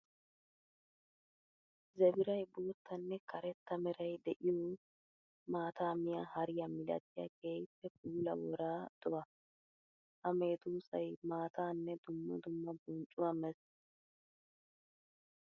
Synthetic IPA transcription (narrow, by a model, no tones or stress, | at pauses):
zɛbɪɾɐjboːt̪ʰːɐnːɛkʰɐɾɛt̪ːɐmɛɾɐjd̪ɛʔɪjo | maːt̪aːmɪjahɐɾɪjɐmɪlɐ̰t̪ɪjɐ̰ɡeːjpːɛpuːlɐ̰wɔɾaːd̪̥ɔʔɐ | ʔɐmeːt̪uːsɐjmaːt̪aːnːɛd̪ʊmːɐ̰d̪ʊmːɐbʊnt͡ʃʼʊwɐmɛs